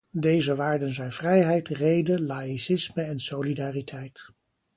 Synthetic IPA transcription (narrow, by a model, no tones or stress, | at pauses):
dejzəʋaːɹdənzɛjnvrɛjɦɛjtrejdəlaːisɪsməɛnsolidaːritʰɛjt